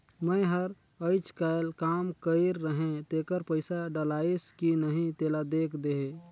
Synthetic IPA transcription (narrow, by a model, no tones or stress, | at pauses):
məjɦəɾ | əɪt͡ʃkaɪlkaːmkəɪɾːəɦẽt̪ekəɾpəɪsaɖəlaiskinəɦĩt̪eːlad̪eːkʰd̪eɦe